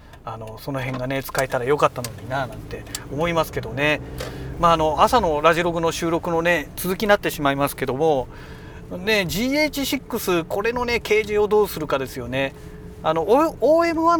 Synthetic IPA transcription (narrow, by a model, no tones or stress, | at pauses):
ano̞so̞no̞ɦẽ̞ŋɡane̞t͡sɨ̥kaet̪aɾajo̞kat̪ːano̞ɲ̟inanãnt̪e̞o̞mo̞imasɨ̥ke̞d̪o̞ne̞maːno̞asano̞ɾaʑiɾo̞ɡɯ̟no̞ɕɨːɾo̞kɯ̟no̞ne̞t͡sɨzɨkʲinat̪ːe̞ɕimaimasɨ̥ke̞d̪o̞mo̞ | ne̞d͡ʑiːeːt͡ɕiɕikːɯ̟sɨkʰo̞ɾe̞no̞ne̞ke̞ːʑio̞d̪o̞ːsɨɾɯ̟kad̪e̞sɨjo̞ne̞ | ano̞oːe̞mɯ̟βa